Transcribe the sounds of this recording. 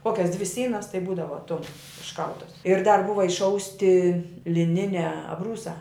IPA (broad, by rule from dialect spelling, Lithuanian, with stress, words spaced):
ˈkoːkʲɛs dʲʋʲɪ ˈsʲiːnɐs tɐɪ ˈbuːdɐʋɐ ˈtʊm ɪʃˈkɐlˠtɐs ɪr dɐr ˈbʊʋɐ ɪʃˈɐʊsʲtʲɪ lʲɪˈnʲɪnʲæː ɐbˈruːsɑː